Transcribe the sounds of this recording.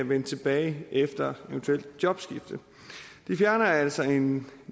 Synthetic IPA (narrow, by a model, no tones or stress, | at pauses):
æʋenət͡sʰe̝b̥ɛːɪʔefd̥ɐeʋənt͡sʰuel̰d̥djɒ̽b̥sɡ̥ifd̥ə | d̥ifjæɐnɐæl̰sɒe̝n